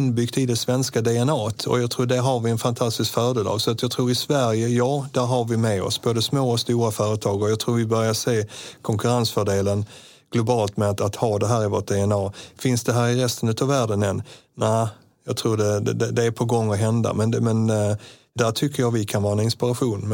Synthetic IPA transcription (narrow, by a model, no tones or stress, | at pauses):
nbʏɡt̪ɪd̪ɛsvɛnskad̪ɛɛnɑːt̪ʰɔ̰jɑːt̪ʰɾuːɖæɾɦaɾvɪɛnfant̪ʰast̪ɪskfœːɖeːlʔɑ̰ɡsɔat̪jɑːɡt̪ʰɾuːɾɪsvæɾjəjɑːd̪̥æɾɦaɾvɪmɛɔ̰sboːd̪əsmoːɔst̪uːɾafœːɾət̪ʰɑːɡɔjɑːt̪ʰɾuːɾvɪbœɾjaseːkʰɔŋkɵɾansfœɖeːlən | ɡ̥lʊbɑːlt̪mɛat̪at̪hɑːd̪ɛɦæːɾɪvoːʈ̚d̪ɛɛnɑːfɪnsd̪ɛɦæːɾɪɾɛst̪ənʉ̟ːt̪ɑvvæːɖənɛn | næɪ | jɑːɡ̚t̪ʰɾuːɖɛɛd̪ɛd̪ɛæpʰɔɡɔŋːɔɦɛnd̪a̰mɛnmɛn | d̪æʈʰʏkʰːəjɑːɡvɪkʰanvɑːɾɛnɪnspɪɾaɧuːn